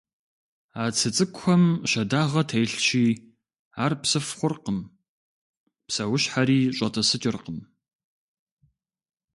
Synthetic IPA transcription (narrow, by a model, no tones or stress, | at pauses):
aːt͡sʰɨt͡sʼɨkʷxʷɔmʃɐdaːʁɐtʰejɬt͡ʃiː | aːrpsɨfχʷʊrqəm | psɐwʊɕħaɾiːɕʼɐtʰɐsɨt͡ʃʼɪrqəm